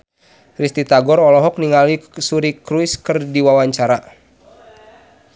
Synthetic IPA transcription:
rist̪it̪aɡɔɾɔlɔɦɔk̚niŋalisuɾikɾuiskɨrdiwawaɲt͡ʃaɾa

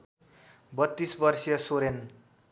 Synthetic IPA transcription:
bʌt̪ːisbʌrsijʌsoɾen

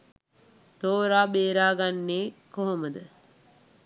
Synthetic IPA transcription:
t̪oːɾaːbeːɾaːɡanːeːkoɦoməd̪ə

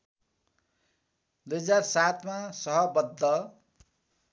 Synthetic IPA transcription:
d̪ujɦʌd͡zarsat̪ʰmasʌɦʌbʌd̪ʱːʌ

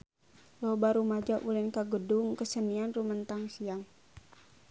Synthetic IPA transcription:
lɔbaɾumad͡ʒaʔulɪnkaɡədʊŋkəsənianrumənt̪aŋsiaŋ

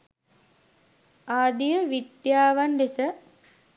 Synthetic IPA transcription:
aːd̪ijəʋid̪jaːʋanɖesə

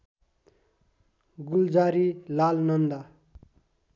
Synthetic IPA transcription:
ɡuld͡zaɾilalnʌnd̪a

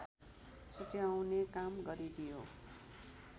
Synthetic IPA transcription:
sutjawnekamɡʌɾid̪ijo

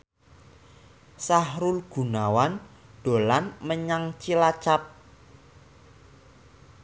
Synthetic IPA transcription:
sahɾʊlɡ̥ṳnawanɖ̥o̤lanməɲaŋt͡ʃilat͡ʃap̚

